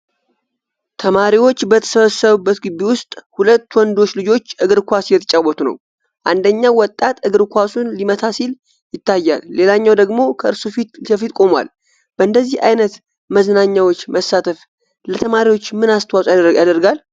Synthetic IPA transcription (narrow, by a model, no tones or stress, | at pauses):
t̪ʰəmaɾiwo̞t͡ʃːbət̪ʰə̥səβəsəβɨbːət̪ɡɨβiwʊst̪ʼhulət̪ːwɔnd̪o̞t͡ʃːlɨd͡ʒo̞t͡ʃːʔɨɡɨɾkʷasjɛt̪ʰət͡ʃʼawɔt̪ʰunə̰w | ʔand̪əɲːawɔt̪ʼːat̪ɨɡɨɾkʰʷasunlimət̪ʰasil | jɪt̪ːajːa̰lːe̞laɲːawd̪əɡmo̞kʰəʔɨɾsufisəfit̪kʼo̞mwa̰l | b̥əʔɨnd̪əzːiha̰jnət̪ | məzənaɲːawo̞t͡ʃːməsːat̪ʰəf | lət̪ʰəmaɾiwo̞t͡ʃːmɨnast̪ʰəwasʼjad̪əɾɡal